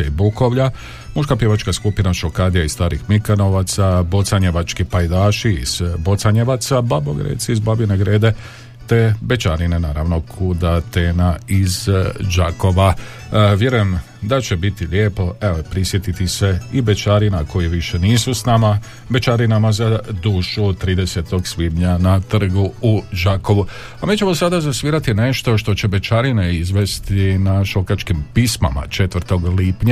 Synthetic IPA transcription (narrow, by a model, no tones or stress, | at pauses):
eibuko̞ʋʎa | muʃkapje̞ʋat͡ʃkaskupinaʃo̞kaːd̪ijaist̪aːɾixmikano̞ʋat̪sabo̞t̪saɲe̞ʋat͡ʃkipajd̪aːʃiḭz̥bo̞t̪saɲeʋat̪sababo̰ɡɾḛːt̪siizbabineɡɾeːd̪e̞ | t̪e̞be̞t͡ʃaɾine̞naːɾaʋnokʰud̪at̪eːnaizd͡ʒako̞ʋa | ʋje̞ɾujem | d̪at͡ʃe̞bit̪iljeːpo̞eopɾisje̞t̪it̪ise̞ibet͡ʃaɾinako̞jiʋiʃe̞niːsusnama | be̞t͡ʃaɾinamazad̪uːʃut̪ɾiːd̪e̞se̞t̪o̞ɡsʋiːd̪ɲanat̪r̩ɡuud͡ʒako̞ʋu | amiːt͡ɕe̞mo̞sad̪azasʋiːɾat̪ine̞ʃt̪o̞ʃt̪o̞t͡ɕe̞be̞t͡ʃaɾineizʋe̞st̪inaʃo̞kat͡ʃkimpisma̰ma̰t͡ʃe̞t̪ʋɾ̩t̪o̞ɡliːpɲa